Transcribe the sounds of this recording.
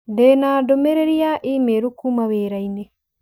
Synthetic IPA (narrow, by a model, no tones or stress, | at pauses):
dɛːnaːdɔmɛɾɛɾiaʔiːmeɾukumaweːɾaine